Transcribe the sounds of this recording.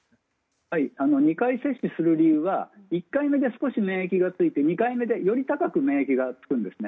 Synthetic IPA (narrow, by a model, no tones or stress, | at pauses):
haiano̞ɲ̟ikaise̞ɕisɨɾɯ̟ɾʲiɯ̟ːβaikːaime̞d̪e̞sɨ̥ko̞ɕime̞ːekʲiɡat͡sɨit̪e̞ɲ̟ikaime̞d̪e̞jo̞ɾʲit̪akakɯ̟me̞ːekʲiɡat͡sɨ̥kɯ̟̃nd̪e̞sɨne